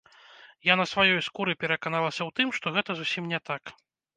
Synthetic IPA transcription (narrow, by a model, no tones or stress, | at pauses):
janɐsvajɔjskuɾɨpʲɛɾɐkanalˠɐsʲɐwt̪ɨmʂt̪ɔɣɛt̪ɐzusʲimnʲɛt̪ak